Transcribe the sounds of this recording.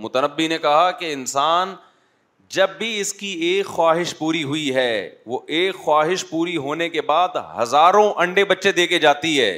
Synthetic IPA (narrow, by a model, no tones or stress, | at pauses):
mʊt̪ənəbːinekɐɦakeɪnsaːn | d͡ʒɐbːiɪskieːkxwaːɦɪʃpuːɾiɦʊiɦɛːʋoʔeːkxwaːɦɪʃpuːɾiɦoːnekebaːd̪hɐzaːɾõʔɐ̃ɳɖebɐtːʃed̪eːked͡ʒaːt̪iɦɛ̰ː